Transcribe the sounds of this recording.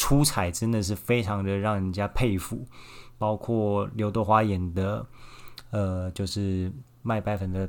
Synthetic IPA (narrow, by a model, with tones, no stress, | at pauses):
ʈ͡ʂʰu˥t͡sʰa˨˩ɪʈ͡ʂə˥nd̪ə˨ʂ̬ɻ̩˥˩fe˥ɪʈ͡ʂʰɑ˧˥ŋd̪ə˧ɻɑ˥˩ŋɻə˨˩nt͡ɕja˥pʰe˥˧ɪfu˥˩pɑ˥ʊkʰwɔ˥˩ljo˧˥ʊt̪ɔ˥˩xwa˥jɛ˨˩nd̪ə˦ | ə˧t͡ɕjo˥˧ʊʂɻ̩˥˩ | ma˥˧ɪpa˥˩ɪfə˨˩nd̪ə˧